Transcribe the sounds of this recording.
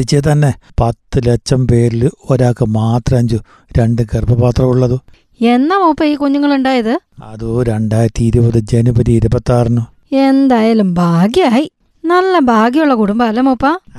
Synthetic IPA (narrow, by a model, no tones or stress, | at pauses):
it͡ɕːeːt̪ɐnːe̞pɐt̪ːɨlet͡ɕːɐmpe̞ːɾiloɾaːkːɨmaːt̪rɐɐɲd͡ʑu | ɾe̞ɳɖɨkerbɐbaːt̪rɐmuɭːɐðɨ | enːaːmoːpːɐiːkuɲːuŋːɐɭuɳɖaːjɐðɨɐðuɾe̞ɳɖaːjɾɐt̪ːiiɾubɐðɨd͡ʑenubɐɾiːɾubɐt̪ːaːrnu | e̞nd̪aːjaːlumbʱaːɡjɐaːji | nɐlːɐbʱaːɡjɐuɭːɐkuɽumbɐːlːɐmoːpːaː